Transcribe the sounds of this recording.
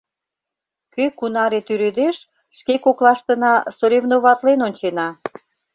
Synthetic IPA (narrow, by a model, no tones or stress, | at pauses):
køkunɑɾet̪yɾød̪eʃ | ʃkekoklɑʃt̪ə̆nɑsoɾevnoβɑt̪lenonʲt͡ɕenɑ